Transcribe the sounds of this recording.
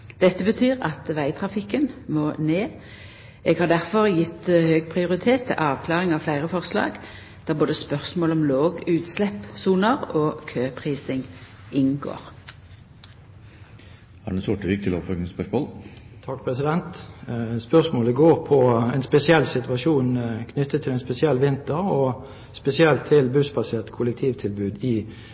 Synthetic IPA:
d̪̥ɛt̪ːəbət̪ʰyːʁɑ̰t̪ʋæɪt̪ʰʁɑfɪkːənmoːneː | eːɡhɑːd̪æʁfɔʁjɪt̪ːhøːɡ̚pʰʁɪʊʁɪt̪ʰeːt̪ʰːɪ̰lʔɑːʋkʰlɑːʁɪŋɑːʋflæɪʁəfɔʁslɑ̰ːɡ | d̪̥æːʁboːd̪əspœʁsmoːlɔmloːɡʉːt̪slɛpsuːnəʁoːkʰøːpʰʁiːsɪŋ | ɪnɡo̰ːʁ | ɑ̰ɳəsɔʈəʋiːk̚t̪ʰɪlo̰fɔɡ̪spœʂmoːlt̪ʰɑkːpʰʁɛsɪd̪ɛnt̪spœʁsmoːləɡoːʁpʰɔɛnspɛsɪɛlːsɪt̪ʋɑʂuːnkʰnʏt̪ːət̪ʰːɪlɛnspɛsɪɛlːʋɪnt̪əʁɔ | spɛsɪɛlt̪ʰːɪlbʉsbɑseːʁt̪kʰʊlɛkt̪ʰiːʋt̪ʰɪlbʉːd̪ɪ

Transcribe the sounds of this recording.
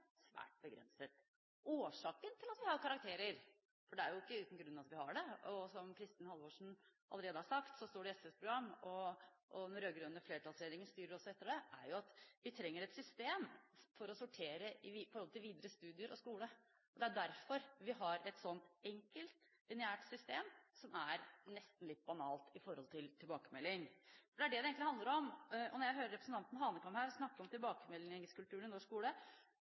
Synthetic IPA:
sʋæ̰ːʈ̚bəɡɾɛ̰nsət̪ | oːʂɑːkənt̪ʰɪlɑt̪ʋɪhɑɾkʰɑɾɑkt̪ʰeːɾəɾ | fɔɖɛæɾjʊɪkːəʉːt̪n̩ɡɾʉnːɑɑt̪ʋɪhɑɖɛɔsɔmkʰɾɪst̪ɪːnhɑlʋoːʂɳ̩ʔɑ̰lːəɾeːd̪əhɑʂɑkt̪sɔst̪oːɖɛɛsɛspʰɾʊɡɾɑmːɔʔɔnɔɾøːɡɾʉnəfleːʈʰɑlsɾed̪ɾɪŋənst̪yːɾəɾɔsːɔɛt̪ːəɖɛæɾjʊɑt̪ʋɪt̪ʰɾɛŋːəɾɛt̪sʏst̪eːmfɔɾɔsʊʈʰeːɾəʔɪfɔɾhɔlt̪ɪlʋiːd̪əɾəst̪ʉːd̪ɪəɾɔskuːlə | ɔd̪ɛæɖæɾfɔɾʋɪɦɑɾɛt̪sɔnt̪ɛŋkəlt̪ | lɪnɪæːʈsʏst̪eːmsɔmæɾnɛst̪n̩lɪt̪̚ːbɑnɑːlt̪ɪfɔɾhɔlt̪ʰɪlt̪ʰɪlbɑːkəmɛlːɪŋfɔɖɛæɖɛd̪ɛeːɡŋk̪t̪lɪhɑnd̪əɾɔmɔnɔɾjæɪɦøːɾəɾɛpɾəsn̩t̪ʰɑnt̪n̩ɦɑːnəkʰɑmhæːɾsnɑkːəɔmt̪ʰɪlbɑːkəmɛlːɪŋskʉlt̪ʉːnɪnɔʂkuːlə

